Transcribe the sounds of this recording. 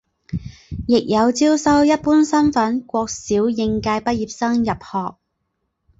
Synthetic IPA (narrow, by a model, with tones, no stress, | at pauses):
jɪ˨k̚jɐ˨˧wt͡siː˥wsɐ˥wjɐ˥t̚puː˥nsɐ˥nfɐ˨˥nkʷɔː˧k̚siː˨˥wjɪ˧ŋkaː˧jpɐ˥t̚jiː˧p̚sɐ˥ŋjɐ˨p̚hɔː˨k̚